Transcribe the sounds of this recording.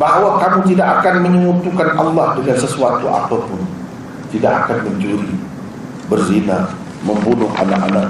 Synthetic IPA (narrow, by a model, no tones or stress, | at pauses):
baɦwakamut̪idaʔakanməɲəŋut̪ukanɑlːɑhdəŋansəsuat̪ua̰t̪apʊn | t̪idaʔakanməɲt͡ʃuɾi | bərzina | məmbunʊhʔa̰nak̚anak̚